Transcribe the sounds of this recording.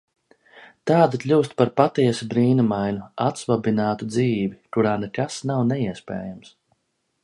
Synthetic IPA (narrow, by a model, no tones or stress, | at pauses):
t̪aːd̪iklʲuːst̪̚paɾpat̪iɛsubɾiːnumajnuat̪svabinaːt̪ud̪ziːvikuɾaːnɛkasnawnɛiɛspɛ̰ːjams